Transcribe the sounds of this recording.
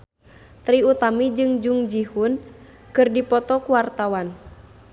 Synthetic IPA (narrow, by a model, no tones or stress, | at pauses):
t̪ɾiut̪amid͡ʒɨŋd͡ʒuŋd͡ʒihun | kɨrdipɔt̪ɔkuwart̪awan